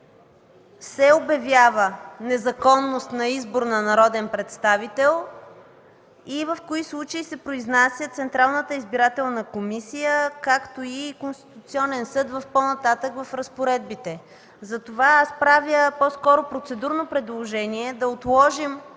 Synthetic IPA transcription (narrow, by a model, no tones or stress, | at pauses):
sɛobjɐvʲjavənɛzɐkɔnːost̪nɐizboɾnɐnɐɾɔd̪ɛnpɾɛt̪st̪avit̪ɛlˠ | ivəfkoislˠut͡ʃəisɛpɾoiznasʲjət̪sɛnt̪ɾalˠnət̪əizbiɾat̪ɛlˠnəkomisijəkakt̪oikonst̪i̥t̪ut̪siɔnɛnsɤd̪vəfpɔnɐt̪at̪əkvɐfɾɐspoɾɛd̪̚bit̪ɛ | zɐt̪ovaaspɾavjəpɔskɔɾopɾot̪sɛd̪uɾnopɾɛd̪lˠoʒɛniɛd̪ɐot̪lˠɔʒim